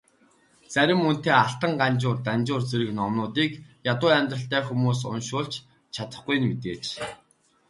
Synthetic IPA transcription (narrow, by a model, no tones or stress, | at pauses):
t͡sæɾʲɪ̆mːɵn̥t̪eːaɬt̪ə̆ɴɢant͡ɕʊːrt̪ant͡ɕʊːrt͡seɾɘ̆knɔmnʊːt̪iːkjat̪ʊːæmʲt̪rə̆ɬt̪æːxumuːs̬ʊ̰nʃʊːɮt͡ɕ | t͡ɕʰat̪ə̥̆χɡuj̆nmet̪eːt͡ɕ